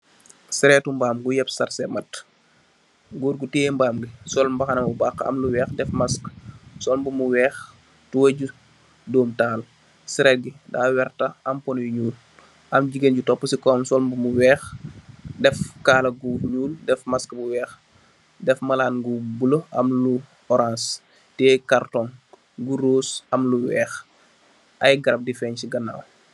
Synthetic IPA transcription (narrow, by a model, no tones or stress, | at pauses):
siɾɛːtumbaːmɡujɛpsɐrsɛmɐt | ɡuːɾɡutɛːmbaːmɡisɔlmbɐxɐnɐmubaːkːɐ̰mluwɛːxdɛfmɐsksɔlmbumuwɛːx | tuwɐɟu | dɔːmtaːl | siɾɛːt̚ɡidaːwɛrtɐɐmpɔnjuɲuːl | ʔɐmɟiɡenɟutɔpːəsikɔːmsɔlmbumuwɛːx | dɛfkaːlɐɡuɲuːldɛfmaskɐbuwɛːx | dɛfmɐlaːnɡubuloɐmlu | ɔɾãːns | tɛːkartɔŋ | ɡuɾoːsɐmluwɛːx | ʔɐjɡɐɾɐp̚difɛːɲsiɡɐnːa̰w